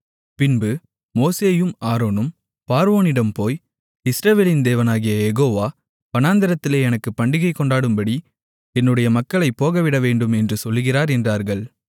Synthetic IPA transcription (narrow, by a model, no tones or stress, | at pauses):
pɪnbɯ | moːseːjɯmaːɾoːnɯm | paːɾʋoːnɪɽɐmpoːj | ɪsɾɐʋeːlɪnd̪eːʋɐnaːɣɪjɐjɛɣoːʋaː | pɐnaːnd̪ɐɾɐt̪ːɪleːɛnɐkːɯpːɐɳɖɪɣɐɪkːɔɳɖaːɽɯmbɐɽi | ɛnːɯɽɐjɐmɐkːɐɭɐɪpːoːɣɐʋɪɽɐʋeːɳɖɯmɛndrɯsɔlːɯɣɪraːɾɛndraːɾɣɐɭ